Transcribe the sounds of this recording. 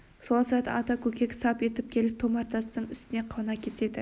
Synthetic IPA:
solˠɑsɾɑt̪ɑ̰ʔɑt̪ɑkʲʰɵkʲe̞kʲsɑpje̞t̪ɪp̚kʲʰe̞lɪp̚t̪ʰomɑɾt̪ʰɑsnəɴʏst̪ɪne̞qʰɑwnɑkʲʰe̞t̪e̞d̪ɪ

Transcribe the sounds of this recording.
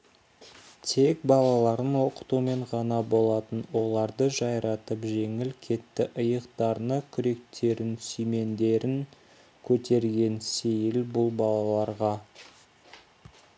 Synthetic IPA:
t̪ʰe̞k̚bɑlˠɑlˠɑɾənwo̞qə̥t̪ume̞ɴʁɑnɑbo̞lˠɑt̪ənwo̞lˠɑɾd̪əʒɑjɾɑt̪əpʒe̞ŋɪlkʲʰe̞t̪ːɪʔəjəqt̪ɑɾnəkʲʰʏɾe̞k̚t̪ʰe̞ɾɪnsijme̞nd̪e̞ɾɪŋ | kʲʰɵt̪e̞ɾɡʲe̞nsejɪlbʊlˠbɑlˠɑlˠɑɾʁɑ

